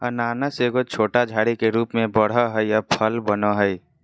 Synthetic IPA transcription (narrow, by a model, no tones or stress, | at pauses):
ənaːnəseːɡot͡ʃʰoːʈad͡ʒʱaːɽikeɾuːpmẽbəɽ̤əɦəijapʰəlbənoɦəi